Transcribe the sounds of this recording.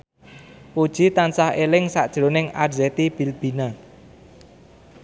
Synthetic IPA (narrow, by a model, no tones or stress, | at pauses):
pud̥ʒ̥i̤t̪ansahelɪŋsa̰ʔd̥ʒ̥ɾonɪŋadzet̪ib̥i̤lb̥i̤na